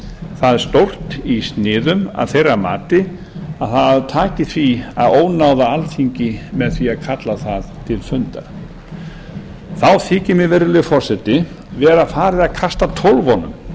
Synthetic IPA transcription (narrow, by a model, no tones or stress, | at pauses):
θaðɛɾ̥st̪owr̥t̪ist̪nɪːðʏma̰ðθejrama̰ːt̪ɪ | aðθaððt̪ʰaːcɪθviaðoːwnawðaalθiɲcɪmɛðθviaðkʰat̪laθaðt̪ʰɪlfʏnt̪a̰ɾ | θawθɪːcɪmɪvɛɾɪlɪfɔr̥sɛt̪ɪ | vɛːɾafaːɾɪðaðkʰast̪at̪ʰowlvɔnʏ̰m